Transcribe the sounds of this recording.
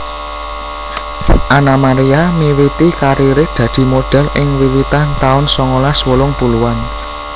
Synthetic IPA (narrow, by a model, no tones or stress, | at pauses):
ʔanamaɾiamiwit̪ikaɾiɾɪd̪̥ä̤d̪̥i̤moɖ̥a̤lʔɪŋwiwit̪ant̪aʊnsɔŋolaswolʊŋpuluan